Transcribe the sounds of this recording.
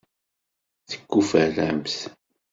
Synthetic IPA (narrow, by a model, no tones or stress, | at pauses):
θə̥kːufælæmθ